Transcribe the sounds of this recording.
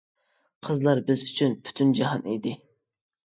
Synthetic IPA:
qʰəzlˠɑɾbɪzyt͡ʃʰynpʰy̥t̪ʰynd͡ʒɑɦɑnḛjd̪ɪ

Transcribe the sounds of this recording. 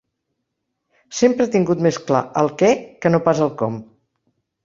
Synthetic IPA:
sempɾət̪iŋɡut̪meskla̰ʔəlˠkɛkənopazəlˠkɔm

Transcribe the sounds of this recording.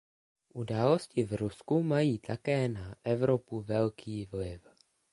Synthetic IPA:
ʔudaːlo̞scɪvɾuskumajiːt̪ʰakɛːnaʔɛvɾo̞puvɛlkʰiːvlɪf

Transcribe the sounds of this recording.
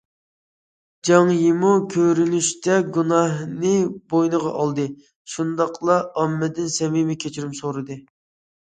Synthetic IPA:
d͡ʒɑŋjemukʲʰøɾynyʃt̪ʰɛɡunɑhnɨbojnəʁɑ̰ʔɑlˠd̪ɨ | ʃund̪ɑqlˠɑɑmːɛd̪ɪnsɛmimɛkʲʰet͡ʃʰiɾymsoɾɨd̪ɨ

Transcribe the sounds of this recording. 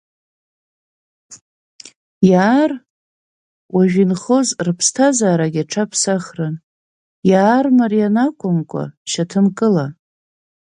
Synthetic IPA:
jaːr | waʒᶣinχozrɨpʰstʰazaːɾaɡʲaʈ͡ʂʰapʰsaχrɨn | jaːrmarijanakʷʰʼʊmkʷʼa̰ʃatʰɨmkʼɨla

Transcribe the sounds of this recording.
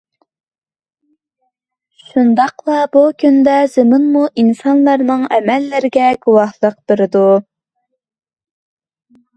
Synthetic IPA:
ʃund̪ɑqlˠɑbukʲʰynd̪ɛz̥ɨmɨnmuʔinsɑnlˠɑɾnɨŋɛmɛlːɪɾɪɡʲɛɡuwɑhlˠəq̚b̥ɪɾɪd̪u

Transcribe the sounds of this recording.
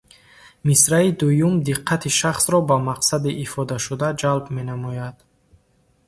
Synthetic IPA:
misɾaid̪ujumd̪iqʰːat̪ʰiʃaχsɾɔbamaqsad̪iʔːfɔd̪aʃud̪ad͡ʒalbme̞namɔjad̪̥

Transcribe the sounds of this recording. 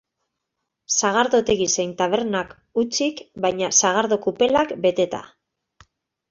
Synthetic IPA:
saɣ̞aɾðo̞t̪e̞ɣise̞jnt̪aβe̞ɾnak | ut͡sikbajɲasaɣ̞aɾðo̞kupe̞lakbe̞t̪e̞t̪a̰

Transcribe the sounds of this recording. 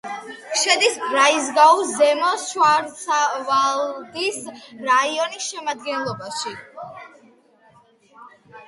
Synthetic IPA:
ʃɛd̪isbɾaizɡauzɛmɔʃwaɾsʰavald̪isɾaiɔnisʃɛmad̪̚ɡɛnlˠɔbaʃi

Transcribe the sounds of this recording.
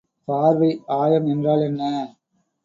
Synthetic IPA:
paːɾʋɐɪaːjɐmɛndraːlɛnːɐ

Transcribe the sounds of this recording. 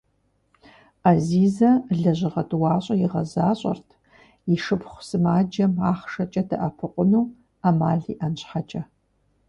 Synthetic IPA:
aziːzɐɮɐʑɪʁɐdwɑːɕʼɐjɪʁɐzaːɕʼɐ̰rtʰ | iʂɨpχʷsɨmaːd͡ʒɐmaːχʂɐt͡ʃʼɐdɐʔɐpʰɨqʷʼʊnuː | amaːɮḭːʔɐnɕħat͡ʃʼɐ

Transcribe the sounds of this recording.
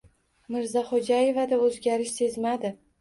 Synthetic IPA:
mɪɾzaχod͡ʒaje̞vad̪aɵzɡʲaɾɪʃse̞zmad̪ɪ

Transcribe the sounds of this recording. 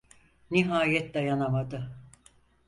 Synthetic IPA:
niɦaːjɛt̪̚d̪ajanamad̪ɯ

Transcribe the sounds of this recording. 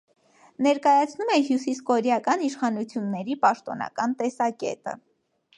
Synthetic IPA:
nɛɾkɑjɑt͡sʰnumɛɦjusiskɔɾjɑkɑniʃχɑnut͡sʰjunːɛɾipɑʃt̪ɔnɑ̰kɑnt̪ɛsɑkɛ̰t̪ə̰

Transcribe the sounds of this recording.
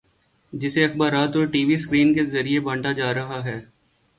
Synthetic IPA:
d͡ʒɪseɐxbaːɾaːt̪oɾʈiːʋiskɾiːnkezɐɾiebɐ̃ɳʈad͡ʒaːɾɐɦaɦɛː

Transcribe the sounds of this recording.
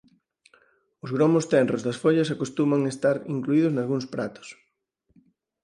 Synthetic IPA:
ʊzɣɾomʊst̪ɛnrozðɐsfoʎɐsakost̪umaŋest̪aɾḭŋkluiðʊznalɣuŋspɾa̰t̪ʊ̥s

